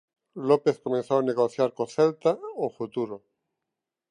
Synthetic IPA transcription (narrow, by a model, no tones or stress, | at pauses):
lopeθkomẽnθowaneɣoθjaɾkoθɛlt̪aofut̪uɾo